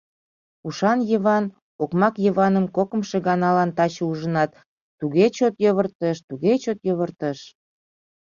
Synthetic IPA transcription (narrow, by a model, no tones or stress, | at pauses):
uʃɑnjəβɑn | okmɑkjəβɑnəmkokə̆mʃeɣɑnɑlɑnt̪ɑt͡ɕəuʒə̆nɑt̪ː | uɣet͡ɕot̪joβərt̪əʃt̪uɣet͡ɕot̪joβərt̪əʃ